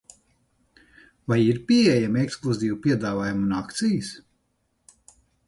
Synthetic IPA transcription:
vajiɾpiɛjameksklˠuziːvupʲiɛd̪aːvaːjumunakt̪sijɨs

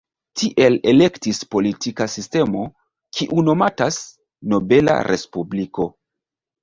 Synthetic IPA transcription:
tiʔe̞le̞le̞ktispo̞litikasiste̞mo̞ | kʰiʔuno̞matas | no̞be̞la̰ɾʔe̞spubliko̞

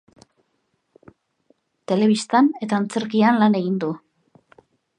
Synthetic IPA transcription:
t̪e̞le̞β̞ist̪ane̞t̪aːnt͡se̞ɾkianlane̞ɣind̪u

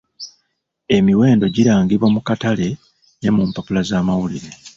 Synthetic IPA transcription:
e̞miwe̞ːndo̞ɟiɾaːŋɡiβwamukatale̞ | ne̞mumpapulazaːmawuliɾe̞

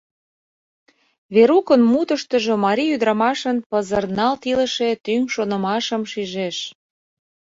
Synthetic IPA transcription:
βeɾukənmut̪əʃt̪əʒomɑɾʲiyd̪ɾɑmɑʃənpəzərnɑlt̪ilə̆ʃet̪yŋʃonə̆mɑʃəmʃiʒeʃ

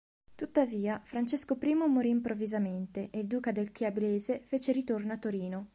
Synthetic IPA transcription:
t̪ut̪ːaviːafɾant͡ʃeskopɾiːmomoɾiːmpɾovːizament̪eʔeild̪uːkad̪elkjabeleːzefeːt͡ʃeɾit̪ornoat̪ːoɾiːno

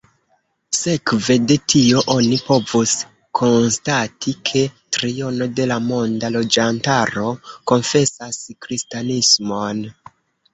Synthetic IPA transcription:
se̞kve̞de̞tʰio̞ʔo̞nipo̞vus | kʰo̞nstatʰikʰe̞tɾio̞no̞de̞lamo̞ndalo̞d͡ʒantaɾo̞ko̞nfe̞saskɾistanismo̞n

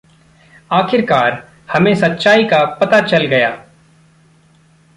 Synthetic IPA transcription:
aːkʰɪɾkaːɾ | hɐmẽsɐt̪ːʃaːikapɐt̪at͡ʃɐlɡɐja̰ː

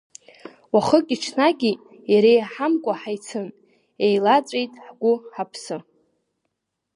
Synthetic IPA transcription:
waχəkʲʼiʈ͡ʂʰnaɡʲi | jaɾejaħamkʷʼaħajt͡sʰɨn | ejlat͡sʷʼejtʼħɡʷʊħapʰsɨ

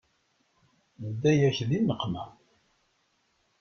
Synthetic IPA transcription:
əd̪ːæjæçðinəqːmæ

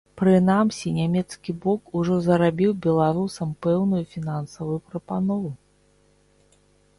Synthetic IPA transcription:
pɾɨnamsʲinʲamʲɛt̪skʲibɔkuʐɔzɐɾabʲiwbʲɛlˠaɾusɐmpɛwnujufʲinansɐvujupɾɐpanɔvu

